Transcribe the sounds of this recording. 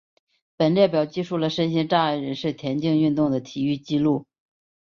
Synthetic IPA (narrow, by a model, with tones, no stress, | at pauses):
pə˨˩nljɛ˥˩pjɑ˨˩ʊt͡ɕi˥˧ʂu˥˩lə˩ʂə˥nɕi˥nʈ͡ʂa˥˧˥ɻə˧˥nʂɻ̩˥˩t̪ʰjɛ˧˥nt͡ɕi˥˧ŋy˥˧nt̪ʊ˥˩ŋd̪ə˩t̪ʰi˨˩y˥˩t͡ɕi˥lu˥˩